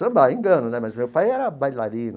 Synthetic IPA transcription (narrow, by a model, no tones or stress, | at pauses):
ɐ̃mbajĩŋɡɐ̃nʊnɛmɐzmewpajɛɾɐbajlaɾĩnʊ